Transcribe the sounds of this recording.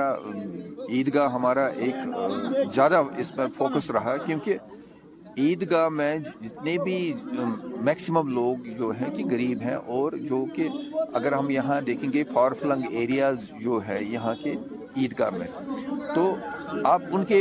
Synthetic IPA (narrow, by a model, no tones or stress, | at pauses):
a | iːd̪ɡaɦɐmaːɾaʔeːkzjaːd̪aɪsmẽfoːkəsɾɐɦakjõːke | iːd̪ɡaːmẽd͡ʒɪt̪nebʱi | mɛːksɪməmloːɡd͡ʒoːɦɛ̃keɡɐɾiːbɦɛ̰̃ʔɔːɾd͡ʒoːkeɐɡəɾɦɐmjɐɦãd̪eːkʰẽːŋɡefaːɾflɐ̃ŋɡeːɾijaːz | d͡ʒoːɦɛ̃jɐɦãke | iːd̪ɡa̰ːmḛ̃ːt̪oːaːpʊnke